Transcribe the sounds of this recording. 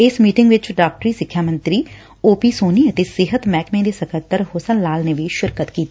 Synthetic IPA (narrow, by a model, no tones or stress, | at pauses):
ɪsmiːʈɪ̃ŋɡʋɪt͡ʃɖaːk̚ʈɾiːsɪkʰːjaːmə̃nt̪ɾiː | oːpiːsoːniːət̪eːsɪɦət̪mɛːkmẽːd̪eːsəkət̪ːəɾɦoːsənlaːlneːʋiːʃɪɾkət̪kiːt̪iː